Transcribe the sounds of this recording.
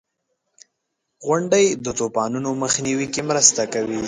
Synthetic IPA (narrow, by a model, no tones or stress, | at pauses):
ɣwʊɳɖajd̪ət̪opɑnunoməxniwikemɾəst̪akawi